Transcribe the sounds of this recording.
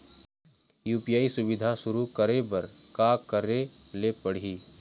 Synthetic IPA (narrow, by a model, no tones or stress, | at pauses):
juːpijaːisʊbɪd̪ʱaʃʊɾukəɾebɐɾ | kaːkəɾe | lepɐɽ̤iː